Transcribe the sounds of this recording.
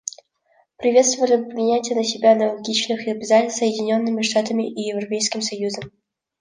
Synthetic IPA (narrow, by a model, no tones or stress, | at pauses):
pɾʲɪvʲe̞t̪st̪vəvəlʲɪpvʲɪnʲætʲɪjənəsʲɪbʲanəlˠɐɡʲit͡ɕnɨxɪɐbʲɪzasəjɪdʲɪnʲo̞nːɨmʲɪʂt̪at̪əmʲɪʔijɪvrɐpʲejskʲɪmsɐjuzəm